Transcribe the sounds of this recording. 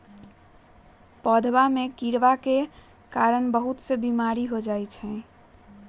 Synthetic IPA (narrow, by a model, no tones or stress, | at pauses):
pəd̪ʱʋamekiɾʋake | kaɾənbəɦut̪sebimaɾiɦod͡ʒajt͡ʃʰɛ̃